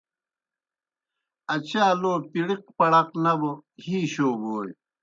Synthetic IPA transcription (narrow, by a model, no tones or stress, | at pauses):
ɐt͡ɕaːloːpiɽiq̚pɐɽɐqnɐbohiːɕoːboːj